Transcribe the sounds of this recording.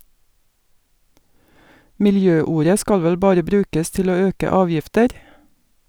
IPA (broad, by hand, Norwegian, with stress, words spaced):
mɪlˈjøːˌuːɾə ˈskɑl ˈʋɛl ˈbɑːɾə ˈbɾʉːkəs ˈtɪl ˈoː ˈøːkə ˈɑːʋjɪftəɾ